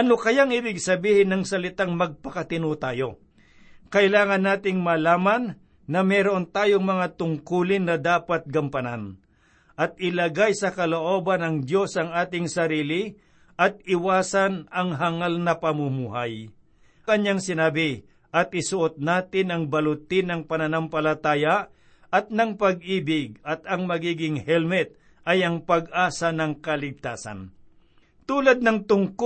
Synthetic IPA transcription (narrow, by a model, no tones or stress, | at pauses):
ʔɐnokɐjaŋibɪɡsɐbiːhɪnɐŋsɐlɪt̪aŋmɐɡ̚pɐkɐt̪ɪnot̪aːjo̞ | kɐʔɪlaːŋɐnːaːt̪ɪŋmalaːmanː | ɐmɛːɾoʔont̪aːjoŋmɐŋat̪ʊŋkuːlɪnːɐd̪aːpat̪̚ɡɐmpɐnan | ʔɐt̪̚ɪlɐɡajsɐkɐloʔoːbɐnɐŋd̪jo̞sɐŋaːt̪ɪŋsɐɾiːlɪ | ʔɐt̪̚ɪwaːsɐnɐŋɦaŋalnɐpɐmumuːɦaj | kɐɲːaŋsɪnaːbɪ | ʔɐt̪̚ʔɪsʊʔot̪̚naːt̪ɪnɐŋbɐlʊt̪ɪnɐŋpɐnɐnɐmpɐlɐt̪aːja | ʔɐt̪̚nɐŋpɐɡ̚ʔiːbɪɡ̚ɐt̪ɐŋmɐɡiːɡɪŋhɛlmɛt̪̚ | ʔɐjɐŋpɐɡʔaːsɐnɐŋkɐlɪɡ̚t̪aːsɐ̰n | t̪uːlɐd̪̚nɐŋt̪ʊŋk